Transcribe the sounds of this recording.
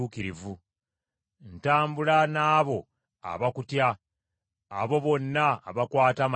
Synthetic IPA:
ukiɾivu | ntaːmbulanaːβo̞ | a̰βakutjaː | βo̞βo̞nːa̰ːβakwaːtam

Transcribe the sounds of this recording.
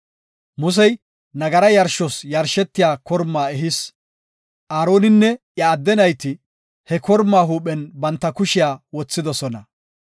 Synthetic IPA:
mʊs̬ɛj | nɐɡɐɾɐjɐɾʃɔsjɐɾʃɛt̪ːɪjaːkɔɾmːaːɛɦɪs | ʔaːɾo̞ːnɪnːɛʔjɐːd̪ːɛnɐjt̪ɪ | hɛkɔɾmːaːɦuːpɛnbɐnt̪ːɐkʊʃɪjaːwɔt͡sːɪd̪ɔsɔnɐ̰

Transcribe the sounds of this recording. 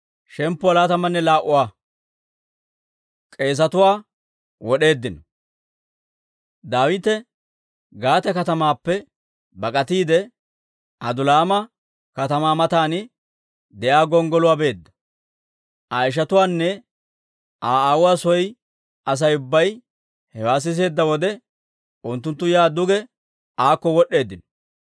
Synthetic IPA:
ʃɛmpːʊɐlaːt̪ɐmɐnːɛlaːʔʊwaː | kʼe̞ːs̬ɐt̪ʊwaː | wɔɗe̞ːd̪ːɪnɔ | d̪aːwɪt̪ɛ | ɡaːt̪ɛkɐt̪ɐmaːpːɛ | bɐkʼɐt̪iːd̪ɛ | ʔɐd̪ʊlaːmɐ | kɐt̪ɐmaːmɐt̪aːnɪ | d̪ɛʔaːɡɔŋɡɔlʊwaːbe̞ːd̪ːɐ | ʔaɪʃ̬ɐt̪ʊwaːnːɛ | ʔaːaːwʊwaːsɔj | ʔɐs̬ɐjʊbːɐj | hɛwaːs̬ɪs̬e̞ːd̪ːɐwɔd̪ɛ | ʊnt̪ːʊnt̪ːʊjaːd̪ʊɡɛ | ʔaːkːɔwɔɗe̞ːd̪ːɪnɔ

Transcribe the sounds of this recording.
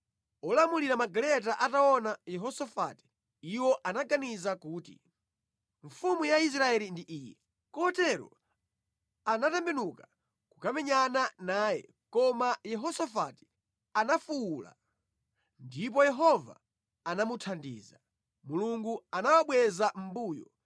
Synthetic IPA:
ɔlamuliɾamaɡalɛt̬aʔataɔnajɛɦɔsafa̰ti̥ | iwɔʔanaɡanizakuːtḭ | ɱfumujais̬ɾaɛlindiʔiːjɛ | kɔtɛɾɔ̰ | anatɛmbɛnuka | kukamɛɲananaːjɛ̰ | kɔmajɛɦɔsafa̰ti̥ | anafuuːla̰ | ndip̬ɔjɛɦɔva̰ː | namutʰandḭːza | muluŋɡuanawaɓwɛzam̩buːjɔ

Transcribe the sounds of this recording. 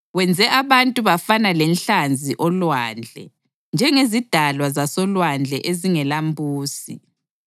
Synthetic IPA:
wɛnd͡zʱɛʔaβantʼuβafanalɛnɬand͡zʱiʔɔlwand͡ɮʱɛ̰ | nd͡ʒʱɛŋezid̥ʱalwazasɔlwand͡ɮʱɛ̰ʔeziŋɛlambʱuːsḭ

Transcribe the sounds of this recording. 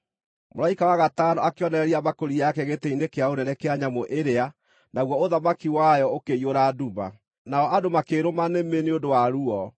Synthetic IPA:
mo̰ɾaikawaɣatanɔakeɔnɛɾɛɾiamakoɾijakɛɣetɛinekeaonɛɾɛkeaɲamoʔeɾea | naɣwɔoðamakiwajɔokeioɾaduma̰ | naɔʔadomakeɾomanemeneondowaɾuɔ

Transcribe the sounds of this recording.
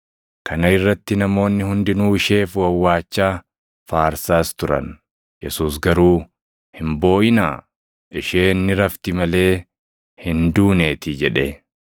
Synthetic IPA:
kɐnɐɪrːɐt̪ːɪnɐmo̞ːnːɪhʊnd̪ɪnuːɪʃe̞ːfwɐwːaːt͡ʃːaː | faːɾsaːst̪ʊɾɐ̰n | jɛsuːs̬ɡɐɾuː | hɪmbo̞ːʔɪna̰ː | ʔɪʃe̞ːnːɪɾɐft̪ɪmɐle̞ː | hɪnd̪uːne̞ːt̪ɪd͡ʒɛᶑe

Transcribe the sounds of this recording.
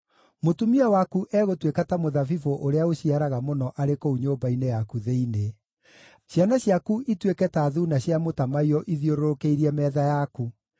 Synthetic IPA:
motumiawakuʔɛɣotwekatamoðavivoʔoɾeaoɕiaɾaɣamonɔʔaɾekouɲoːmbainejakuðeine | ɕjanaɕjakuʔitwekɛtaːðunaɕjamotamaiɔʔiðioɾoɾokeiɾiɛmɛðajaku

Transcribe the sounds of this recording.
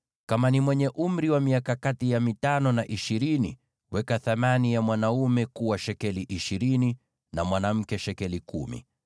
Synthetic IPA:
kamanimwɛɲɛʔum̩ɾiwamiakakatijamitanɔnaʔiʃiɾini | wɛkaθamanijamwanaumɛkuwaʃɛkɛliʔiʃiɾini | namwanam̩kɛʃɛkɛlikṵmḭ

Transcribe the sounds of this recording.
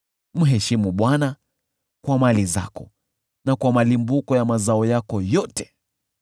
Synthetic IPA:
m̩ɦɛʃimuɓwana | kwamaliza̰kɔ | nakwamalimbukɔjamazaɔjakɔjɔtɛ̥

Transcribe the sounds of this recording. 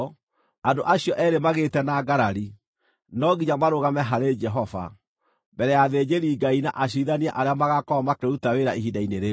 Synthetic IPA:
andoʔaɕijɔʔɛɾemaɣetɛnaɡaɾaɾi | nɔɡiɲamaɾoɣamɛɦaɾed͡ʒɛɦɔva̰ | bɛɾɛjaðed͡ʑeɾiːɡainaʔaɕ̬iðaniɛʔaɾeamaɣakɔmakeutaweɾaiɦidaineɾe

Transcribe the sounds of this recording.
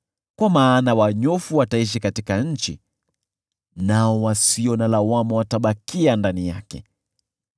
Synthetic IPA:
kwamaːnawaɲɔfuwataiʃ̬ikatikaɲ̩t͡ʃḭ | naɔwasiɔnalawamɔwataɓakiandanijakɛ̰

